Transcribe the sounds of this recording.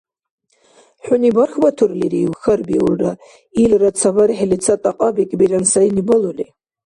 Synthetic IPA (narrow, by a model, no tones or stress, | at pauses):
ħʷᶣʊnibarxbatʰurliɾiwxɐrbiurːa | ilrat͡sʰavaɾħelit͡sʰatʼaqʼabikʼbiransainibaluli